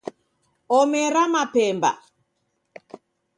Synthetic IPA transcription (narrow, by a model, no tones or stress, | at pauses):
ɔmɛɾamapɛmba̰